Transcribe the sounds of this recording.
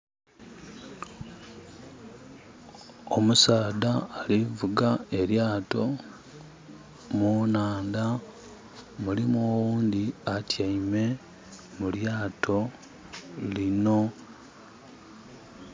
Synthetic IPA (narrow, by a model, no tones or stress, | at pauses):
omusaːdaːlivuɡae̞ɾjaːto̞ | munaːnda | mulimoːwuːnd̪iatjaime̞ | muljaːtʰo̞ | lino̞